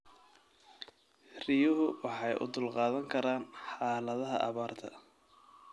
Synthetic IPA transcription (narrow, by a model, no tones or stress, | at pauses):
rɪjʊɦʊwɑħɑjʔʊ̰d̪ʊlqɑːðɐŋkʰɐɾaːnħɑːlɐðɐɦɐ̰ʔɑ̰βaːrt̪ʰɐ̰